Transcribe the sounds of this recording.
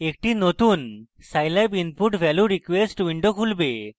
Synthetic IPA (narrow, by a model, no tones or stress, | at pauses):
ek̚ʈinot̪un | sajlabinpuʈbʱɛljuɾikwesʈwiɳɖokʰulbe